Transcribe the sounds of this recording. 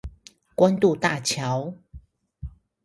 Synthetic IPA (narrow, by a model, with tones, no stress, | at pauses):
kwa˦nt̪u˥˨t̪a˥˨t͡ɕʰjɑ˨˦ʊ